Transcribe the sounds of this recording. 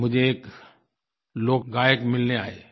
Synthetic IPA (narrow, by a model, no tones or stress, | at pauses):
mʊd͡ʒʱeːk | loːkɡaːjəkmɪlneaːeː